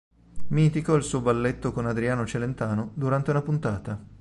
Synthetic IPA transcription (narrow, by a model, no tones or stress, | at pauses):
mint̪ikɔilsuːobalːet̪ːokonad̪ɾiaːnot͡ʃelent̪aːnod̪uɾant̪eunapunt̪aːt̪a